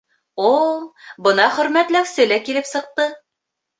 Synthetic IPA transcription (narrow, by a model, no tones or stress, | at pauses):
ulˠbɤ̆nɑχɵ̆ɾmæt̪læwsɘlækilɘpsɤ̆q̚t̪ɤ